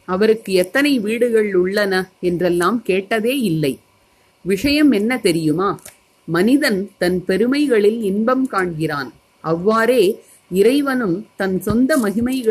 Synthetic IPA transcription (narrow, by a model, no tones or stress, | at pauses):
ɐʋɐɾɯkːɯɛt̪ːɐnɐɪʋiːɽɯɣɐɭʊɭːɐnɐɛndrɛlːaːmkeːʈːɐðeːɪlːɐɪ | ʋɪʂɐjɐmɛnːɐt̪ɛɾɪjɯmaː | mɐnɪðɐnt̪ɐnpɛɾɯmɐɪɣɐɭɪlɪnbɐmkaːɳɣɪraːn | ɐʋːaːɾeː | ɪɾɐɪʋɐnɯmt̪ɐnsɔnd̪ɐmɐɣɪmɐɪɣɐ